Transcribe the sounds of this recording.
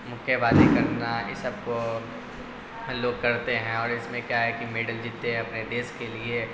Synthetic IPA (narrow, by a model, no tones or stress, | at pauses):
mʊkʰjəʋaːd̪ikɐɾnaɪsəb̚ko | loːɡ̚kɐɾt̪eɦɛ̃ɔːɾɪsmẽkjaɦɛkimeːɖəld͡ʒit̪ːeɛ̃ɐpned̪eːskelie